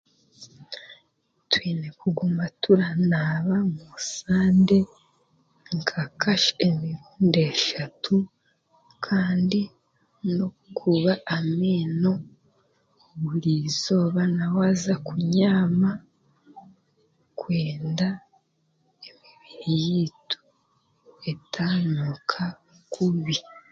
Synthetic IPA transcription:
twiːnekuɡumatuɾanaːβamusaːnde̞ | ŋkʰakaʃemiɾuːnde̞ʃatʰu | kʰaːndi | no | kʰuβaːmeːno̞ | βuɾiːzo̞ːβanawaːzakuɲaːma | kweːnda | emiβijitu̥ | etʰanukʰa | kʰuβi

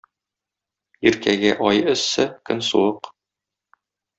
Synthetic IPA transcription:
iɾkæɡɘʔɒjɵ̆sːɘkɵ̰nsṵwɤq

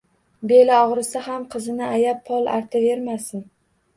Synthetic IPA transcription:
be̞laɒʁɾɪsaɦamqʰɨzɪnɪajapʰːɒlˠa̰ɾt̪ʰave̞ɾmasɪn

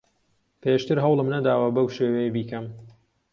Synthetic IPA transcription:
pʰeːʃt̪ɨɾɦɐwlɨmnɐd̪aːwɐbɐwʃeːwejbiːkɐm

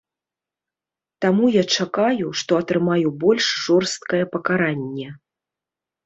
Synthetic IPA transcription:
t̪amujat͡ʂakajuʂt̪ɔɐt̪ɾɨmajubɔlʲʂʐɔrst̪̚kɐjɛpɐkaɾanʲːɛ

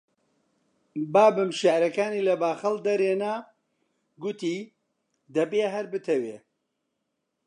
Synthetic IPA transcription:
baːbɨmʃaʔɾɐkaːniːlɐbaːxɨld̪ɐɾeːnaː | ɡʊt̪iː | d̪ɐbeːɦɐɾbɨt̪ʰɐweː

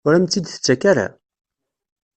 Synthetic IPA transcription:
ʊɾæmt͡s̪ːid̪θə̥t͡sːækaɾa̰

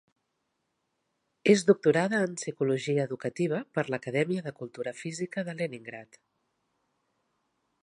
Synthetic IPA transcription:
ezd̪uk̚t̪uɾaðəːnsikuluʒiəːðukət̪iβ̞əpəɾləkəðɛmiəðəkulˠt̪uɾəfizikəðəleniŋɡɾat̪

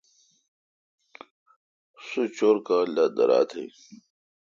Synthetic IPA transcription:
sut͡ɕoːɾkalad̪ɐ̰ɾa̰ːt̪ʰḛj

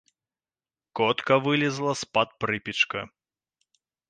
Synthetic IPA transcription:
kɔt̪kɐvɨlʲɪzlˠɐspɐt̪̚pɾɨpʲit͡ʂkɐ

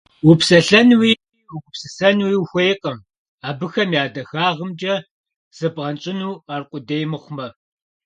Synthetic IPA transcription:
wupsɐɬɐnwi | wuɡʷʊpsɨsɐnwiːwxʷejqʼɐm | aːbɨxɐmjaːdɐxaːʁəmd͡ʒɐ | z̥ɨbʁɐnt͡ʃʼɪnuːaːrqʷʼʊdeːjmɨχʷʊmɐ

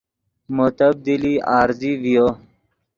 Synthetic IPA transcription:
mot̪əb̚d̪iliaːɾzivijo

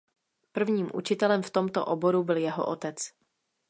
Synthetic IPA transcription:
pr̩vɲiːmʔṵt͡ʃɪt̪ɛlɛmft̪o̞mt̪o̰ʔobo̞ɾubɪljɛɦo̰ʔot̪ɛt͡s

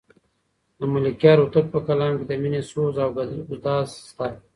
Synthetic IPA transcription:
d̪əmulikjɑːɾut̪əɾ̚pəkalɑ̃ːnked̪əminesoːzawɡɡʊd̪ɑːzst̪a

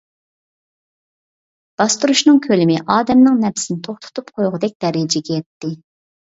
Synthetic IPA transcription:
b̪̥ɑst̪uɾuʃnɨŋkʲʰølɪmɪʔɑːd̪ɛmnɨŋnɛpsɪnɪt̪ʰoχt̪ʰʊ̥t̪ʰupqʰojʁʊd̪ɛk̚ʲd̪ɛɾɪd͡ʒɛɡʲɛjɛt̪ːɪ

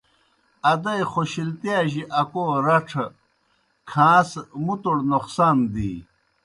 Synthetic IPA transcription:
ɐd̪ɐjχoɕilt̪ijaːʑiʔɐkoːɾɐʈ͡ʂʰ | kʰãːsmut̪uɽnoqsaːnd̪ḭː

